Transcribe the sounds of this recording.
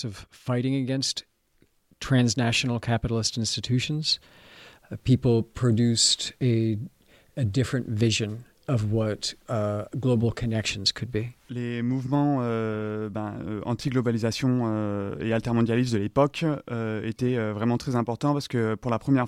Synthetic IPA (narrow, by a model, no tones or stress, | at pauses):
sʌv̥faɪɾɪ̃ŋɨɡɛ̃nst | tʰɹ̥æ̃nznæʃn̩l̩ˠkʰæpəɾl̩ˠɪstɪ̃nstɨtʰʉʃn̩z̥ | pʰipl̩ˠpʰɹ̥ɨdʉstɨ | ɨdɪfɹɨ̃ntvɪʒɨ̃n | ʌvwʌt | ɡloʊbl̩ˠkʰɨnɛkʃɨ̃n̩z̥kʰɨd̚bilemuvmɑ̃øbɛ̃øɑ̰̃t̪ʰiɡlɔbalizasjɔ̃øḛalt̪ɛʁmɔ̃d̪jalisd̪əlepɔkøet̪ɛøvʁɛmɑ̃t̪χɛzɛ̃pɔʁt̪ɑ̃paʁsə̥kəpuʁlapχəmjɛ